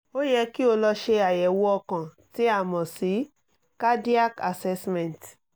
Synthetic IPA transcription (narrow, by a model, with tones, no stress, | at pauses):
o˦jɛ˧ki˦o˧lɔ˧ʃe˧a˨jɛ˨wɔ˧kã˨ti˨˦a˦˨mɔ̃˨si˨˦ | ka˦di˦a˦ka˨sɛ˧smɛ̃˨nt